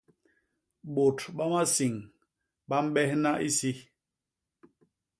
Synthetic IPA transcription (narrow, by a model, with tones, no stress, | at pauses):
ɓo˨tɓa˦ma˦si˨ŋ | ɓa˦m̩˦ɓɛ˦hna˦ʔi˦si˦